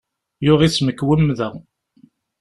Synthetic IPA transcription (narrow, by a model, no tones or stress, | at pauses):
jʊʁisməkːwəmːðəʁ